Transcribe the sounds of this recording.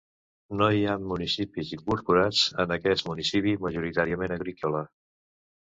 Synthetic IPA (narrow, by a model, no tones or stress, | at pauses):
noiamːunisipiziŋkuɾpuɾad͡zənəkɛsmunisipiməʒuɾit̪aɾiəmenəɣɾikɔlə